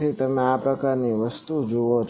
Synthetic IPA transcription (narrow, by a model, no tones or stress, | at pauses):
it̪əmẽapɾəkaɾniʋəst̪ud͡ʒoʋot͡ʃʰ